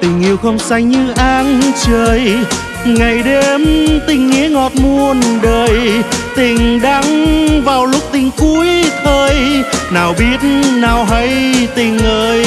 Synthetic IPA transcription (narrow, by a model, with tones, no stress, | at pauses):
t̪ï˨˩ŋ̟ʔi˧˩əwxə˧wŋ͡msa˧jŋɲɨ˧ʔaː˧nt͡ɕəː˨˩j | ŋa˨˩jɗe˧mt̪ï˨˩ŋ̟ːḭ˨˧˦əŋɔ˨˩t̚mu˧ənɗəː˨˩jt̪ï˨˩ŋ̟ɗa˧˥ŋvaː˨˩wlʊ˦˥k͡p̚t̪ï˨˩ŋ̟ku˧˦əjt̪ʰəː˧jnaː˨˩wɓi˦˥ət̚naː˨˩wɦə˧˦jt̪ï˨˩ŋ̟ʔəː˧j